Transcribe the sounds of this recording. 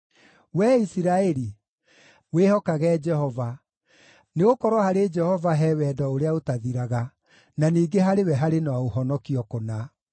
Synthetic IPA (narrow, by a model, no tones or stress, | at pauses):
wɛisiɾaɛɾi | wehɔkaɣɛd͡ʒɛhɔva | neɣokɔɾwɔhaɾed͡ʒɛhɔvaɦɛwɛdɔoɾeaotaðiɾaɣa | naniːɡeɦaɾewɛɦaɾenaaohɔnɔkiɔkona